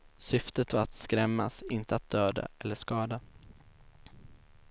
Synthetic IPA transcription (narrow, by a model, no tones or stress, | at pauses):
sʏft̪ət̪vaɾat̪skɾɛmːasɪnt̪əat̪̚d̪̥øːd̪a̰ɛlːəʂkɑːd̪a